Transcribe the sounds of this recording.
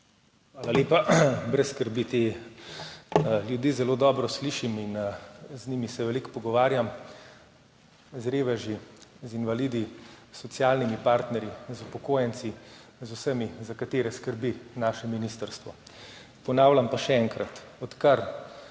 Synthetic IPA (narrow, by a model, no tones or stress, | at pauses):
xʋaːlaleːpabɾɛsːkəɾbit̪e | ljud̪iːzɛloːd̪ɔːbɾɔsliʃiminznimisɛʋɛlikpɔɡɔʋaːɾjam | zɾeːʋɛʒizinʋaliːd̪isɔt̪sjaːlnimipaːɾt̪nɛɾjizupɔkoːjɛnt̪sizusəmizakat̪eːɾɛskəɾbinaːʃɛminist̪əɾst̪ʋɔ | pɔnaːwlʲampaʃɛɛŋkɾat̪ɔt̪kaɾ